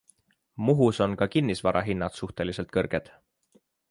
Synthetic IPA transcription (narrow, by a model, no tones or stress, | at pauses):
muɦuso̞nkɑkinːisvɑɾʔɑɦinːɑt̪suht̪e̞lise̞lt̪̚kɤrɡ̥e̞d̪̥